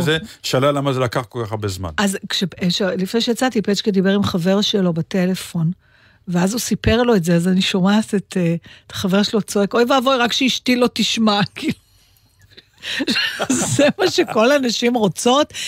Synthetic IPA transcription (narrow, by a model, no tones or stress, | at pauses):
zeʃalalamazelakaχkolkaχaʁbezma̰nazkʃeeʃelifnejʃejat͡satipet͡ʃkid̪ibe̞ʁimχave̞ʁʃelo̞bate̞le̞fo̞n | veazusipe̞ʁlo̞etze̞azaniʃomasetet̪ʰḁχave̞ʁʃelo̞t͡soe̞ko̞jvavojʁakʃeiʃtilo̞tiʃmakilu | zzemaʃeko̞lanaʃimʁo̞t͡so̞t